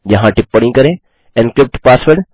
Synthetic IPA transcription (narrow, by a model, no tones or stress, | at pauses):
d͡ʒɐɦãʈɪpːəɽ̃ĩkɐɾẽ | ẽnkɾɪp̚ʈpaːsʋəɾɖ